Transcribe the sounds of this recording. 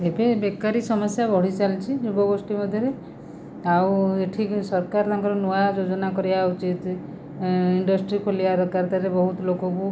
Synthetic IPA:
ebebekːaɾisɔmɔsjabʱɔɽ̤it͡ʃalt͡ʃʰid͡ʒubɔɡosʈimɔd̪ʱjɔɾe | aweʈʰisɔɾkaɾt̪ʰaŋkɔɾɔnuad͡ʒod͡ʒɔnakɔɾibaut͡ʃit̪ | iɳɖɔsʈɾikʰoliaɾɔkaɾt̪aɾebɔɦut̪ɔlokɔku

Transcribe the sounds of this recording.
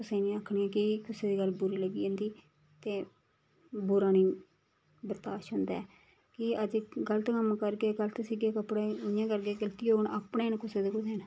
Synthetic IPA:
kʊseːnĩaːkʰniːɛ̃ːkɪkʊseːd̪iːɡəlbʊɾiːləɡiːãːnd̪iː | t̪eː | bʊɾaːniː | bəɾt̪aːʃɦʊ̃ːnd̪a̰ɛː | kɪəd͡ʒɡəlt̪kəmkəɾɡeːɡələt̪siːɡeːkəpɽeːʊjãːkəɾɡeːɡəlt̪iːɦoːɳaːpɳeːnkʊseːd̪eːkʊsːn

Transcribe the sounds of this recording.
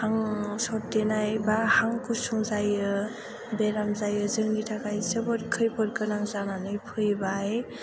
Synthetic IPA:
haŋsɔt̚denajbahaŋkusuŋzajɯ | beɾamzajɯzɯŋnitʰakajsɯbɯɾkʰɯjpʰɯɾ̚kɯnaŋzananɯjpʰɯjbaj

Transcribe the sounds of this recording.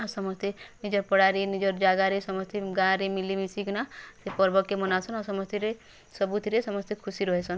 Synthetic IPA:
asɔmɔst̪ʰenid͡ʒɔɾpɔɽaɾenid͡ʒɔɾd͡ʒaɡaɾesɔmɔst̪ʰeɡaɾemilimisikunasepɔɾbɔkːemɔnasʰɔnɔsɔmɔst̪ʰiɾe | sɔbut̪ʰiɾesɔmɔst̪ʰekʰusiɾɔɦesʰɔn

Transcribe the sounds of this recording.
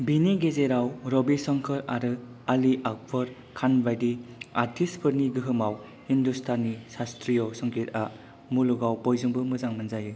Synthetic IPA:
biniɡezeɾawɾɔbisɔŋkʰɯɾaɾɯ | aliʔak̚pʰɯɾ | kʰanbajdiaɾtʰispʰɯɾniɡɯɦɯmaw | industʰanːisastɾijɔsɔŋkʰita | muluɡawpɔjzɯŋbɯmɯzaŋmɯnzajɯ

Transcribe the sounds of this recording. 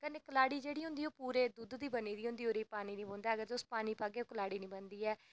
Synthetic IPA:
kəneːkəlaːɽiːd͡ʒeːɽiːɦʊ̃nd̪iːoːpuːɾeːd̪uːd̪d̪iːbəniːd̪iːʊ̃nd̪iːoːɾiːpaːniːnĩːbõːnd̪aːəɡəɾd͡ʒʊspaːniːpaːɡeːoːkəlaːɽiːnĩːbənd̪iːɛː

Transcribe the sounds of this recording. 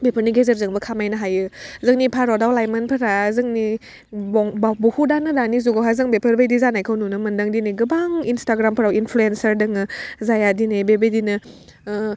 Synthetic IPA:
bepʰəɾniɡezɯɾzɯŋbɐkʰamajnɐɦajɯzɯŋnipʰaɾɔdawlajmanpʰɯɾazɯŋni | bɔŋbuhudanɯdanizuɡɔɦazɯŋbepʰəɾbajdizanajkʰawnunɯmɯndaŋdineɡɯbaŋinstaɡɾampʰɯɾawinpʰluensɐɾdɯŋɯzajadinebebejdinɯ

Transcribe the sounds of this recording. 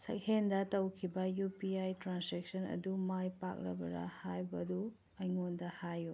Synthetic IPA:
sɐ̰k̚hendɐtɐwkʰibɐjupiajtɾansek̚sɐnɐ̰dumajpak̚lɐ̰bɐ̰ɾa̰hajbɐdu | ɐjŋondɐhajːu

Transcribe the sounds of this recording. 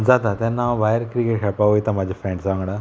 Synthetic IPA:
d͡zat̪at̪janːaʋajəɾkɾikeʈɦʰɛpaʋojt̪amad͡ʑʱafɛ̃ɳɖsãŋɡɽa

